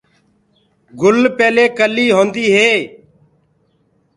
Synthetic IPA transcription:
ɡʊlpeːleːkəlːiːɦõːnd̪iːɦeː

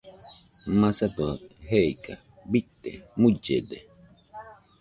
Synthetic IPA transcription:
mãsat̪uaɦeika | bit̪ːemud͡ʒed̪e

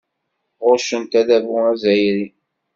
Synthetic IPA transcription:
ʁʊɾʃənt̪æðævuæzæjɾi

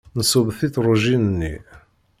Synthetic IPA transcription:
nəsʊbθiθɾˤuʒinənːḭ

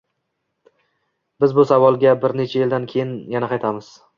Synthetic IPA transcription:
bɪzbʊsavɒlˠɡʲabɪɾne̞t͡ʃʰajeld̪ankʲʰe̞jɪnjanaqʰɑjt̪ʰamɪz̥

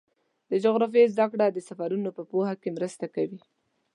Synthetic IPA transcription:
d̪əd͡ʒʊɣɾaf̬jezd̪akɽad̪əsafaɾunopəpohakemɾəst̪akawi

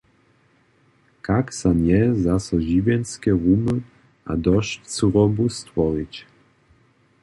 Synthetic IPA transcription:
kaksanʲjɛzasɔʑivʲjɛnskʲɛʁumɨ | ʔa̰d̪ɔʃsuɾɔbust̪vɔɾit͡ɕ

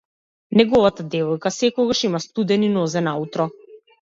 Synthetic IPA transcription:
nɛɡɔvat̪ad̪ɛvɔjkasɛkɔɡaʃimast̪ud̪ɛninɔzɛnaut̪ɾɔ

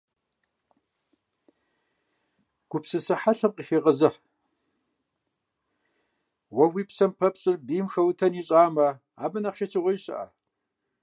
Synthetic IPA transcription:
ɡ̥ʷʊpsɨsɨħaɬʰɐmqʼiːxeːqəzɨħ | wɐwiːpsɐmpʰɐpɕʼɪrbiːmxɐwtʰɐniːɕʼaːmɐ | a̰ːbɨnɐχʃɐt͡ʃʰɪʁʷɐjɕɐ̰ʔa̰

